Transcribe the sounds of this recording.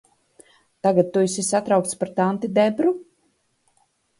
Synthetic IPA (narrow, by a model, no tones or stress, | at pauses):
t̪aɡat̪̚ːuisisat̪ɾawkt̪spaɾt̪ant̪id̪ɛbɾu